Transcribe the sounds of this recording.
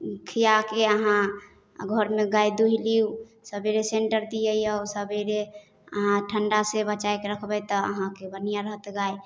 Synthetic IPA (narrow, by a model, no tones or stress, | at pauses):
kʰijakeəɦã | ɡʱɔɾmeɡajd̪uɦiliu | səbeɾeseɳʈəɾd̪ijəjaʊsəbeɾe | əɦãʈʰəɳɖasebət͡ʃaekeɾəkʰbɛjt̪ɔə̰ɦãkebənijaɾəɦət̪ɡai